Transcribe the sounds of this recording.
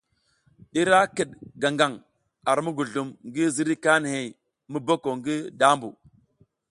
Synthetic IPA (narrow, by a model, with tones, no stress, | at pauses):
i˦ɾa˦ki˨ɗɡa˨ŋɡa˨ŋ | a˨ɾmu˦ɡu˨ɮu˨mŋɡi˦zi˦ɾi˦ka˦n˨he˨j | mi˦bo˦ko˨ŋɡi˦da˦mbṵ˨